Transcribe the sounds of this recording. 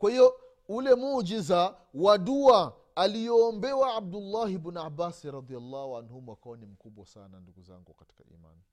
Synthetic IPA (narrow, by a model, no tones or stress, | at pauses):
kwahiɔ | ulɛmud͡ʒiza | waduaː | lijɔːmbɛwaab̚dulːahibnuabasiɾɑd̪ialːahuanhumɔakawɔnim̩kuɓwasa̰nanduɡuza̰ŋɡukati̥ka̰ḭma̰ni